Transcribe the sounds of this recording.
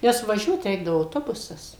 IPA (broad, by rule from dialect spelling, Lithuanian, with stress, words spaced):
ˈnʲɛs ʋɐˈʒʲuɔt ˈrʲɛɪɡdɐʋoː ɐʊˈtoːbʊsɐs